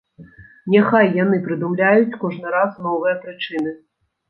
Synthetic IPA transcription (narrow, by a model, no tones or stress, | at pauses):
nʲaxajːan̪ɨpɾɨd̪umlʲajut͡sʲkɔʐnɨɾasnɔvɨjɐpɾɨt͡ʂɨn̪ɨ